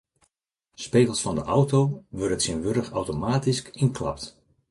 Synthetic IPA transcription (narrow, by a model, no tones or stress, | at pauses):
speːkəlˠsfɑndəʔɔwtowʋøɾətsinʋøɾəxa̰wtomaːtiskɪnklɑ̰pt